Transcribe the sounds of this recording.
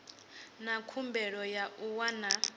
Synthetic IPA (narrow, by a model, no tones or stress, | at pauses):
nakʰumbɛɺɔjauwana